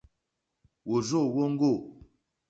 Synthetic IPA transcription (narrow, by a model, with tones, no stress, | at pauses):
wo˨zo˦˨wo˦ŋ̩˦ɡo˦˨